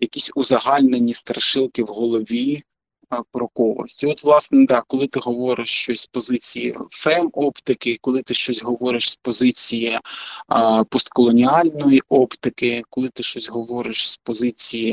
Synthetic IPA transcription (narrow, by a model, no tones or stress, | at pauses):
jɐkʲisʲʊzɐɦɑlʲnenʲist̪ɾɐʃɪlˠkɪwɦɔlˠɔʋʲi | pɾɔkɔʋɔ̰sʲtʲiɔt̪ʋlˠɑsnɛd̪ɑkɔlˠɪt̪ɪɦɔʋɔɾɪʃt͡ʃɔsʲspɔzɪt͡sʲijḭfɛmɔpt̪ɪkɪkɔlˠɪt̪ɪʃt͡ʃɔsʲɦɔʋɔɾɪʃspɔzɪt͡sʲiji | pɔst̪̚kɔlˠɔnʲiɑlʲnɔjiʔɔpt̪ɪkɪkɔlˠɪt̪ɪʃt͡ʃɔsʲɦɔʋɔɾɪʃspɔzɪt͡sʲiji